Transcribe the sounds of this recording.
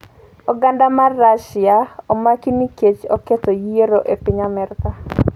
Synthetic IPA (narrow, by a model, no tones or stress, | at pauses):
ɔɡandamarːaʃɪaɔmakiniket͡ʃɔketɔjieɾoʔepɪɲamɛrt̪a